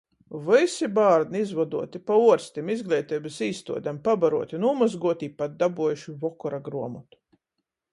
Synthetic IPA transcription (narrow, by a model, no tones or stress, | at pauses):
vɨsibaːɾd̪niizvad̪uɔt̪ipauɔɾst̪ʲimizɡlʲˠɛjt̪ɛjbɨsiːst̪ṵɔd̪ʲampabaɾṵɔt̪ʲinuːmazɡuɔt̪iːpat̪̚d̪abuɔjuʃivɔkɔɾaɡɾuɔmɔt̪u̥